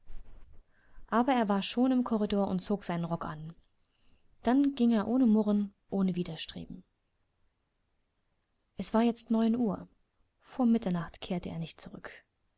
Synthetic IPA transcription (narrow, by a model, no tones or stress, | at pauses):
ʔaːbɐeːɐvaːɐʃoːnɪmkʰɔʁidoːɐʔʊ̰ntt͡soːkz̥aɪnənʁɔkʔa̰n | d̥anɡɪŋeːɐʔoːnəmʊʁən | ʔoːnəviːdɐʃtʁ̥ḛːbm̩ | ʔɛsv̥aːɐjɛt͡stnɔʏnʔuːɐ | foːɐmɪtɐnaχtkʰeːɐtəʔḛːɐnɪçtt͡suʁʏk